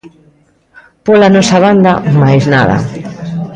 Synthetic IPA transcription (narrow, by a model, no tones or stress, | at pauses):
polanɔsɐβand̪amajznaðɐ̰